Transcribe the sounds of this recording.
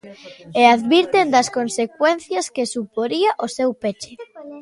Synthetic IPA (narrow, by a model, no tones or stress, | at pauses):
eaðβiɾt̪end̪ɐskonsekwenθjaskesupoɾiaʔosewpet͡ʃe